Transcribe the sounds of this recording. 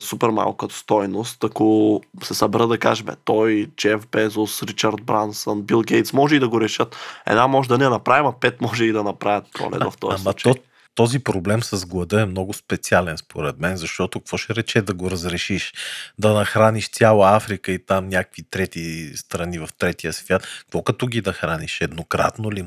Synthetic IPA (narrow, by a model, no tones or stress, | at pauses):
supɛɾma̰lˠkkət̪st̪ɔjnost̪ɐkosɛsɐbɛɾəd̪ɐkaʒɛmɛ̰t̪ɔjt͡ʃɛvbɛzosɾit͡ʃɐɾd̪̚bɾansənbilˠɡɛjt̪smɔʒɛid̪ɐɡoɾɛʃɤt̪ɛ̰d̪namɔʒɛd̪ɐnɛnɐpɾavimɐpɛt̪mɔʒɛid̪ɐnɐpɾavʲət̪̚pɾɔ̰lɛ̰t̪vɐ̰ft̪ɔ̰amɐt͡ʃ̪ | t̪ɔzipɾoblɛmsɐzɡlˠɐd̪əɛmnɔɡʊspɛt̪sialɛnspoɾɛd̪mɛnzɐʃt̪ɔt̪okkv̥ɔʃɛɾɛt͡ʃɛd̪ɐɡoɾɐzɾɛʃiʃd̪ɐnɐxɾaniʃt̪sʲjalˠɐafɾikəit̪amnʲakə̥kvit̪ɾɛt̪ist̪ɾɐnivɐft̪ɾɛt̪iəsvʲjat̪kkvɔkɐt̪ɔɡid̪ɐxɾaniʃɛd̪nokɾa̰t̪noli